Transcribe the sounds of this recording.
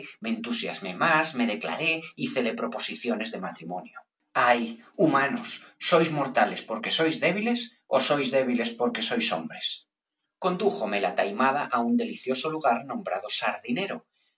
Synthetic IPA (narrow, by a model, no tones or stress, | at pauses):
ment̪usja̰zmemazmeð̞ekla̰ɾeiθelepɾopo̞siθjonezðemat̪ɾimõnjo | ajumãnosːojzmoɾt̪alespoɾkesojzðeβ̞iles | osojzðeβ̞ilespoɾkesojso̰mbɾes | ko̞nd̪uxomelat̪ajmað̞aʔaund̪e̞liθjosoluɣ̞aɾnõmbɾa̰ð̞osaɾðineɾo